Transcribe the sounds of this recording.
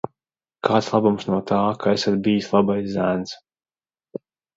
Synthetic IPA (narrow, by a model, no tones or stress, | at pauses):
kʰaːt̪slˠabumsnuɔt̪ʰaːkaesat̪̚bijislˠabajzzːæns